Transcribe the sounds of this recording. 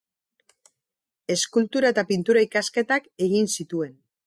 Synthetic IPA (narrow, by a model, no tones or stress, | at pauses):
e̞skult̪uɾaet̪apint̪uɾaikaske̞t̪ake̞ɣinsit̪ue̞n